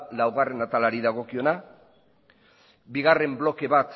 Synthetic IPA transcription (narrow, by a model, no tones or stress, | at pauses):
lawɣare̞nat̪alaɾiðaɣ̞o̞kio̞na | biɣare̞mblo̞ke̞βat̪